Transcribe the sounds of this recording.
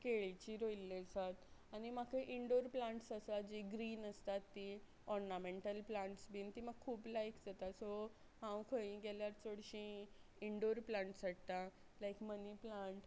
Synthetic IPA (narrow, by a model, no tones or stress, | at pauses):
keɭit͡ɕiːɾojilːesat̪añimakʰeʔiɳɖoɾplãʈsəsad͡ʑiɡɾiːnəst̪at̪ːi | ɔɾnameɳʈəlplãɳʈsbiːnt̪iːməɡ̚kʰuːplajkd͡zat̪aso | ɦãwkʰə̃ĩɡɛljaɾt͡soɽɕĩ | iɳɖoɾplãɳʈsaʈːa | lajkməniplãɳʈ